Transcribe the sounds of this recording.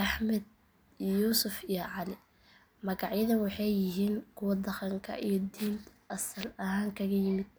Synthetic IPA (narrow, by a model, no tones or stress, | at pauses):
ʔɑħmɐd̪̚ | juːsʊfijɔʕɑlɪ | mɐɣɑʕjɐðɐnwɑħɑjːɪɦiːŋkʰʊwɑd̪ɐqɐŋkʰɐ̰ʔijɞd̪iːnt̪ʰʔɐsɐlɐɦaːŋkʰɐɣɐjɪmɪd̪̥̚